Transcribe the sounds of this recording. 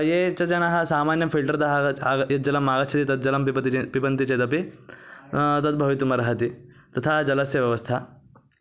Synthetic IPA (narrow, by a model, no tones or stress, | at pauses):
jeːt͡ʃɐt͡ʃɐnɐɦɐ̆saːmaːnjɐpʰilʈɐɾd̪ɐɦɐjɐt̪̚d͡ʒɐlɐmːaːɡɐt̪t͡ʃʰɐt̪it̪ɐt̪̚d͡ʒɐlɐmipɐt̪ipipɐnt̪it͡ʃeːd̪ɐpi | t̪ɐt̪̚bʱɐʋit̪umɐɾɐɦɐt̪i | t̪ɐt̪ʰaːd͡ʒɐlɐsjɐʋjɐʋɐst̪ʰa